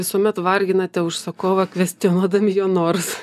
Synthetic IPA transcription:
ʋʲɪsuɔmʲɛt̪ʋɐrʲɡʲɪnɐt̪ʲɛʊʃsɐkoːʋɐkʋʲɛsʲt̪ʲionuɔd̪ɐmʲɪjoːnoːrs

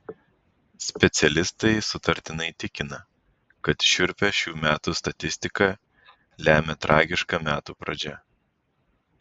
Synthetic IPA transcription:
sʲpʲɛt̪sʲɛlʲɪst̪ɐɪsʊt̪ɐɾʲt̪ʲɪnɐɪt̪ʲɪkʲɪnɐ | kɐt̪ʃʲʊɾʲpʲɛʃʲuːmʲæːt̪uːst̪ɐt̪ʲɪsʲt̪ʲɪkɐ | lʲæːmʲɛt̪ɾʔɑːɡʲɪʃkɐmʲæːt̪uːpɾɐd͡ʒʲɛ

